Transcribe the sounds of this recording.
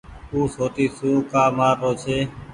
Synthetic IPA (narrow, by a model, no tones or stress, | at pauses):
uːsoːt̪iːsũːkaːmaːɾoːt͡ʃʰeː